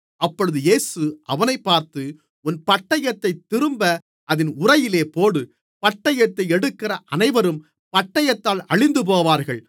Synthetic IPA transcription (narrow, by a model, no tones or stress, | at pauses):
ɐpːɔɻɯðɯjeːsɯʔɐʋɐnɐɪpːaːɾt̪ɯ | ʊnpɐʈːɐjɐt̪ːɐɪt̪ːɪɾɯmbɐ | ʔɐðɪnʊrɐjɪleːpoːɽɯ | pɐʈːɐjɐt̪ːɐɪɛɽɯkːɪrɐʔɐnɐɪʋɐɾɯm | pɐʈːɐjɐt̪ːaːlɐɭɪnd̪ɯp̬oːʋaːɾɣɐɭ